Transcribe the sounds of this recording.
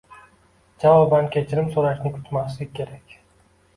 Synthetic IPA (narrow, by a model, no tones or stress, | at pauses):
d͡ʒavɒbankʲʰe̞t͡ʃʰɪɾɪmsoɾaʃnɪkʲʰʊt̪maslɪk̚ʲʰːe̞ɾakʲ